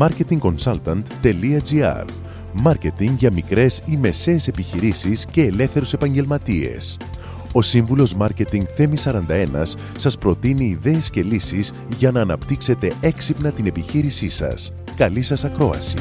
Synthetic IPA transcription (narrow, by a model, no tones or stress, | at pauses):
mɐɾce̞t̪iŋko̞nsɐlt̪ɐnt̪ːe̞liɐd͡ziɐ̰ɾ | mɐɾce̞t̪iŋɡʝɐmikɾe̞sime̞se̞ːse̞piçiɾisisce̞ːle̞fθe̞ɾuse̞pɐɲɟe̞lmɐt̪ie̞̰s | o̞siɱvulo̞zmɐɾce̞t̪iŋɡθe̞misɐɾɐnd̪ɐe̞nɐ̰sːɐspɾo̞t̪iniːðe̞ːsce̞lisiz | ʝɐnɐːnɐpt̪ikse̞t̪e̞e̞ksipnɐt̪ine̞piçiɾisisɐ̰s | kɐlisɐsɐkɾo̞ɐ̰sḭ